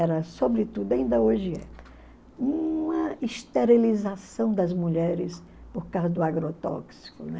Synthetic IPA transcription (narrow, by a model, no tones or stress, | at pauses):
ɛɾɐsobɾɪt̪ud̪ʊɐĩnd̪ɐoʒɪɛ̰ | ũɐist̪eɾilizasɐ̃w̃d̪ɐzmuʎɛɾɪs | poɾkawzɐd̪ʊaɡɾot̪ɔ̰ksi̥kʊnɛ